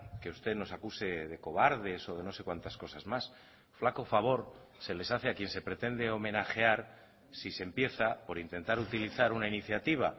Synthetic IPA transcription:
keust̪e̞no̞sakuse̞ðe̞ko̞βaɾð̞e̞so̞ð̞e̞no̞se̞kwant̪asko̞sazmas | flako̞faβ̞o̞ɾ | se̞le̞saθeakje̞nse̞pɾe̞t̪e̞nd̪e̞o̞mẽ̞naxe̞aɾ | sise̞mpje̞θapo̞ɾint̪e̞nt̪aɾut̪iliθaɾunainiθjat̪iβ̞a

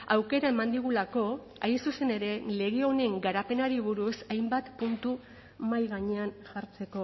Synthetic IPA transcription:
awke̞ɾae̞mand̪iɣ̞ulako̞ | ajsuse̞ne̞ɾe̞le̞ɣ̞eo̞ne̞ŋɡaɾape̞naɾiβ̞uɾusajmbat̪punt̪u | majɣaɲe̞anʝaɾt͡se̞ko̞

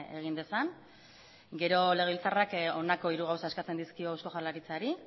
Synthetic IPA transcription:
e̞ɣ̞ind̪e̞san | ɡe̞ɾo̞le̞ɣilt͡sarakonako̞iɾuɣawsaeskat͡se̞nd̪iskio̞awsko̞ʝalaɾit͡saɾi

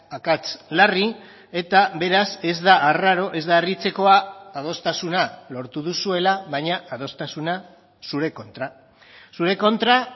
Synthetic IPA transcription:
akat͡slari | e̞t̪aβe̞ɾase̞zd̪aʔːraɾo̞ʔe̞zd̪aːrit͡se̞ko̞aːð̞o̞st̪asunalo̞ɾt̪uðusue̞laβajɲaʔað̞o̞st̪asuna | suɾe̞ko̞nt̪ɾa | suɾe̞ko̞nt̪ɾa

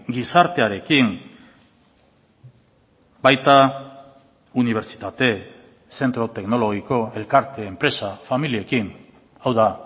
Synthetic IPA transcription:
ɡisaɾt̪e̞aɾe̞kiŋ | bajt̪a | uniβ̞e̞ɾt͡si̥t̪at̪e̞ | se̞nt̪ɾo̞t̪e̞kno̞lo̞ɣiko̞e̞lkaɾt̪e̞ːmpɾe̞safamilie̞kin | awða

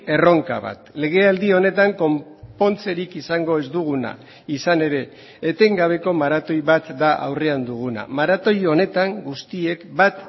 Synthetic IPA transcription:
e̞ro̞ŋka̰βa̰t̪le̞ɣ̞e̞ald̪io̞ne̞t̪aŋko̞mpo̞nt͡se̞ɾikisaŋɡo̞e̞zd̪uɣ̞una̰ | isane̞ɾe̞ː | t̪e̞ŋɡaβ̞e̞ko̞maɾat̪o̞jβat̪d̪aʔa̰wre̞and̪uɣ̞una̰maɾat̪o̞jo̞ne̞t̪aŋɡust̪ie̞kbat̪

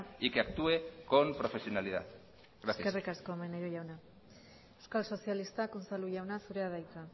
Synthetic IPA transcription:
ikeakt̪uekompɾofe̞sio̞naliða̰ | ɾasjkesrikasko̞majnajɾoʝawna | ewskalso̞sialist̪akonsaluʝawnasuɾe̞aðajt͡sa

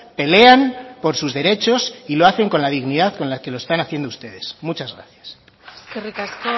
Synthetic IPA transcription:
pe̞le̞anpo̞ɾsuzðe̞ɾe̞t͡ʃo̞silo̞aθe̞ŋko̞nlaðiɣnið̞aðko̞nlake̞lo̞est̪anaθje̞nd̪oust̪e̞ðe̞smut͡ʃazɣɾa̰θjas | kerikask

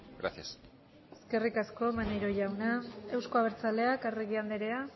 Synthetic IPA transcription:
ɡɾa̰sias | e̞ske̞rikasko̞manejɾo̞ʝawnae̞wskoaβ̞eɾt͡sale̞akareɣiand̪eɾe̞a

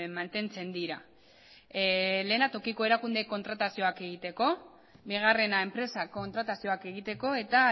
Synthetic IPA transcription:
mant̪e̞nt͡se̞nd̪iɾa | le̞ːnat̪o̞kiko̞e̞ɾakund̪eko̞nt̪ɾat̪asio̞ake̞ɣ̞it̪e̞ko̞ | biɣ̞are̞nae̞mpɾe̞sako̞nt̪ɾat̪asio̞ake̞ɣ̞it̪e̞ko̞e̞t̪a

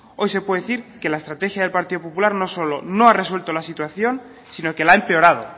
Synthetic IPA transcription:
o̞jse̞pweeθiɾke̞laest̪ɾat̪e̞xjaðelpaɾt̪iðopopulaɾno̞so̞lono̞are̞swe̞lt̪o̞lasit̪waθjo̞n | sino̞ke̞laempe̞o̞ɾað̞o̞̰

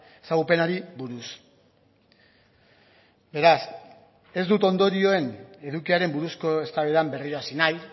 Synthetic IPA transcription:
e̞̥saɣ̞upe̞naɾibuɾus | be̞ɾas | e̞zd̪ut̪o̞nd̪o̞ɾio̞e̞ne̞ðukiaɾe̞mbuɾusko̞e̞st̪aβeðambe̞riɾo̞asinaj

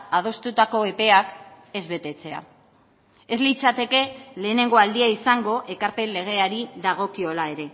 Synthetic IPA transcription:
að̞o̞st̪ut̪ako̞epe̞ak | e̞zβe̞t̪e̞t͡se̞a̰ | e̞zlit͡sat̪e̞ke̞le̞ːne̞ŋɡo̞ald̪iaisaŋɡo̞ʔe̞kaɾpe̞nle̞ɣ̞e̞aɾiðaɣ̞o̞kio̞laeɾe̞

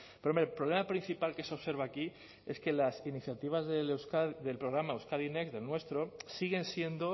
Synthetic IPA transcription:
peɾomepɾolemapɾin̟θipalke̞seo̞βse̞ɾβaki | e̞ske̞lasiniθjat̪iβ̞azðelwskaðe̞lpɾo̞ɣ̞ɾamaewskaðinekzðe̞lnwe̞st̪ɾo̞siɣ̞e̞nsje̞nd̪o̞

